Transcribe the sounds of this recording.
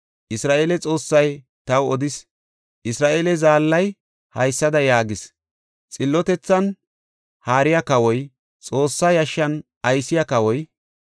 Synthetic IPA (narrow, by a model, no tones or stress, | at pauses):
ʔɪsɾaːʔeːlɛt͡sʼo̞ːsːɐj | t̪ɐwɔd̪ɪs | ʔɪsɾaːʔeːlɛzaːlːɐj | hɐjsːɐd̪ɐjaːɡɪs | t͡sʼɪlːɔt̪ɛt͡sːɐn | haːɾɪjɐkɐwɔj | t͡sʼo̞ːsːajɐʃːɐn | ɐjsːɪjakɐwɔj